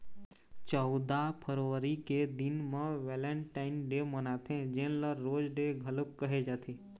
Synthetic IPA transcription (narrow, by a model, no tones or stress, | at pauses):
t͡ʃɔʊd̪apʰəɾʋəɾiked̪ɪnmẽʋɛlə̃ɳʈaːɪnɖemənat̪ʰẽd͡ʒẽnləɾːoːd͡ʒɖeɡʱələkːəɦed͡ʒat̪ʰe